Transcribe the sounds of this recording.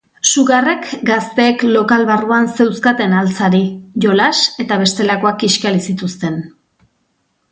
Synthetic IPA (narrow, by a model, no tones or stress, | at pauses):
suɣare̞kɡast̪e̞ːklo̞kalβaruanse̞wskat̪e̞nalt͡saɾiʝo̞lase̞t̪aβ̞e̞st̪e̞lako̞akiʃkaɾisit̪ust̪e̞n